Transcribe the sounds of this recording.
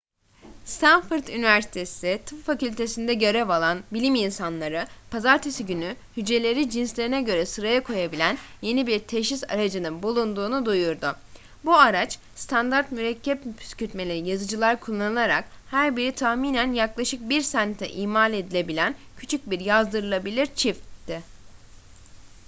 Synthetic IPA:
st̪ʰanfɯɾt̪ynivæɾsi̥t̪ʰe̞sit̪ʰɯffacylʲt̪ʰe̞sind̪ɛɟø̞ɾɛvalˠanbilʲiminsanlˠaɾɯpʰazaɾt̪ʰesiɟynyhyd͡ʒe̞lʲe̞ɾid͡ʒinslʲe̞ɾinɛɟø̞ɾɛsɯɾajakʰo̞jabilʲænje̞nibiɾt̪ʰeʃisa̰ɾad͡ʒɯnɯnbulˠund̪uːnud̪ujuɾd̪u | buaɾat͡ʃ | st̪ʰand̪aɾt̪myɾɛcʰːɛppʰy̥scyt̪me̞lʲeɾijazɯd͡ʒɯlˠaɾkʰulˠːanɯlˠaɾa̰k | hæɾbiɾit̪ʰaxmiːnænjaklˠaʃɯk̚biɾsænt̪ʰɛ̰ʔiːmaːlʲe̞d̪ilʲe̞bilʲæncʰy̥t͡ʃʰyc̚biɾjazd̪ɯɾɯlˠabilʲiɾt͡ʃʰift̪ːɪ

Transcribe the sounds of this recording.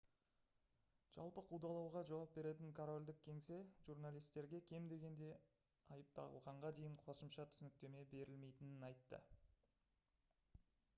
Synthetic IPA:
ʒ̥ɑ̰lˠpəqʰud̪ɑlˠɑwʁɑʒɑwɑp̚be̞ɾe̞t̪̬ɪŋkʰoɾo̞lʲd̪ɪk̚ʲʰe̞ŋse̞ʒurnalˠijst̪e̞ɾɡʲe̞kʲʰe̞md̪e̞ɡʲe̞nd̪e̞ | ɑjəp̚t̪ʰɑ̰ʁəlˠʁɑɴʁɑd̪e̞jɪɴqʰo̞səmʃɑt̪ʰʏsnɪk̚t̪e̞me̞be̞ɾɪlme̞jt̪ɪnɪnɑjt̪ːə̰

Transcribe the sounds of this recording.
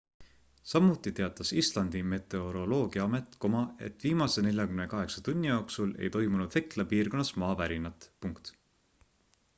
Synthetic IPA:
sɑmːut̪ːˑit̪eɑt̪ˑːɑsist̪lɑnd̪̥ime̞t̪ˑe̞o̞ɾo̞lo̞ːɡ̥iɑɑme̞t̪ˑkomɑe̞̰t̪ːˑviːmɑse̞ne̞ljɑkymnekɑɦe̞ksɑt̪unʲːijoksule̞̰jt̪o̞jmunud̪̥he̞klɑpiːrko̞nːɑsmɑːvæɾinɑt̪ˑpuŋkt̪

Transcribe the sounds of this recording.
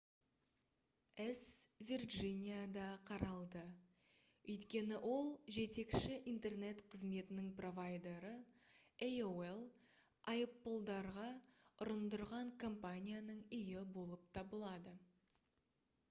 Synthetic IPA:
esvʲirʒinʲijad̪ɑqʰɑɾɑlˠd̪ə | ɵjt̪kʲe̞nɪʔo̞lˠʒe̞t̪e̞kʃɪʔijnt̪e̞rne̞t̪qʰəzme̞t̪ɪnɪŋpro̞vajd̪e̞ɾəejowelˠ | ɑjəpːəlˠd̪ɑɾʁɑʊɾənd̪əɾʁɑɴkʰo̞mpanʲijanəɴʏjɪbo̞lˠəp̚t̪ʰɑbəlˠɑd̪ə

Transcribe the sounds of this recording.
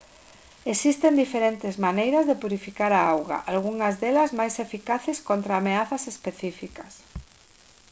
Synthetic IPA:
esist̪end̪ifeɾent̪ɪzmanejɾɐzðepuɾifikaɾaawɣa̰ʔalɣ̞uŋɐzðelɐzmajsefikaθeskont̪ɾaːmeaθɐsespeθifikɐs

